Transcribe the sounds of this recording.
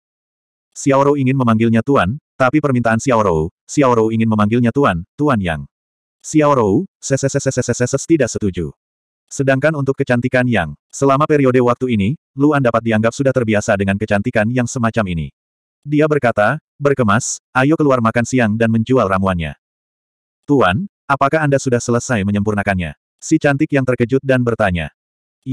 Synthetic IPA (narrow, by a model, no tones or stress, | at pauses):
siawɾoiŋɪnməmaŋɡɪlɲat̪uant̪apipərmint̪aːnsiawɾou | siawɾouiŋɪnməmaŋɡɪlɲat̪uant̪uanja̰ŋ | siawɾousɛsɛsɛsɛsɛsɛsɛsəst̪idaʔsət̪ud͡ʒṵ | sədaŋkanunt̪ʊkːət͡ʃant̪ikanjaŋsəlamapeɾiodewak̚t̪uini | luandapat̪̚diaŋɡap̚sudaht̪ərbiasadəŋankət͡ʃant̪ikanjaŋsəmat͡ʃaminḭ | diabərkat̪a | bərkəmasʔajokəluarmakansiaŋdanməɲd͡ʒualramuanɲa̰ | t̪uan | apakaɦandasudahsələsajməɲəmpurnakanɲa̰ | sit͡ʃant̪ɪkjaŋt̪ərkəd͡ʒut̪̚danbərt̪aɲa̰